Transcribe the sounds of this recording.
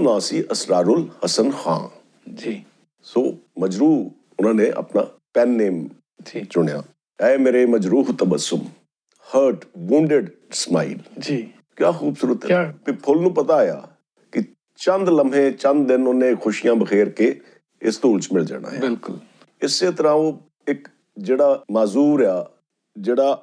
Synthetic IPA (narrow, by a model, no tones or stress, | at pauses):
nãːsiːʔəsɾaːɾʊlhəsənxã̰ː | d͡ʒi | soːməd͡ʒɾuː | ʊnãːnẽːʔə̰pna̰ːpɛːnːeːm | d͡ʒt͡ʃʊɽ̃ja̰ː | ɛːmeːɾeːməd͡ʒɾuːɦt̪əbəsʊm | həɾʈʋũːɳɖeɖ | smaːḭːld͡ʒiː | kjaːxuːbsʊɾət̪ɦɛpipʰʊlnũːpət̪aːja̰ː | kɪ | t͡ʃə̃nd̪ləmẽːt͡ʃə̃nd̪̚d̪ɪnʊnːẽːkxʊʃijãːbəxʰeːɾkeː | ɪst̪uːlt͡ʃmɪld͡ʒa̰ːɽa̰ːjɪlkʊl | ɪseːt̪əɾãːõː | ɪk | d͡ʒeːɽaːmaːzuːɾjaː | d͡ʒeːɽaː